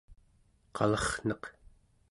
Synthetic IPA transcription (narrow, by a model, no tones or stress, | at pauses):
qʰɑlʌχn̥ʌq